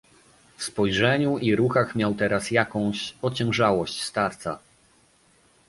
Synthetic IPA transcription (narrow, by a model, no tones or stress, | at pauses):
fspɔjʐɛɲuiɾuxaxmʲjawt̪ɛɾasjakɔ̃w̃ɕɔt͡ɕɛ̃w̃ʐawɔɕt͡ɕst̪aɾt̪sa̰